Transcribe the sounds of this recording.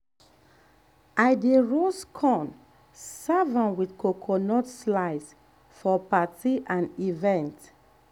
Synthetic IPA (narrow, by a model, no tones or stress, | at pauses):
aɪdeɹoskʰɔ̃n | savãnwidkokʰɔnɔtslaɪs | fɔpatiʔãnivɛ̃nt